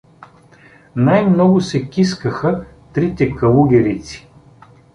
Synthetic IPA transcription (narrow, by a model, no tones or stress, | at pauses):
najmnɔɡʊsɛkʲiskəxə | t̪ɾit̪ɛkɐlˠuɡʲɛɾit̪si̥